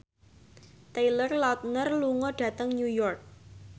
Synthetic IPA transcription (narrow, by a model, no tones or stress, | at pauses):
t̪elərlɔt̪̚nərluŋɔɖ̥ä̤t̪əŋnujɔrk̚